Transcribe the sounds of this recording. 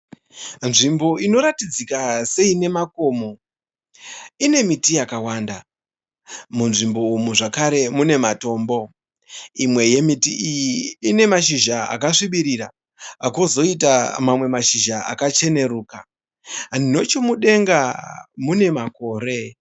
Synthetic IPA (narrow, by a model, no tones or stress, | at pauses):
nʐimbo̞ino̞ɾatid͡zikase̞ine̞mako̞ːmo̞ | ine̞mitijakawanda | munʐimbo̞umuʐakaɾe̞mune̞mato̞ːmbo̞ | imwe̞je̞mitiijiːne̞maʃiʒaa̰kaʂiɓiɾiɾa | akozo̞it̬amamwe̞maʃiʒaa̰kat͡ʃe̞ne̞ruːka | ndino̞t͡ʃomuɗe̞ŋɡamune̞mako̞ːre̞